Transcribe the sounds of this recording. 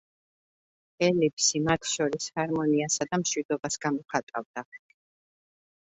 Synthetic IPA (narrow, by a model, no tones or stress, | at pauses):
ɛlipʰsimat̪ʰʃɔɾishaɾmɔniasad̪amʃwid̪ɔbasɡamɔχat̪ʼavd̪̥a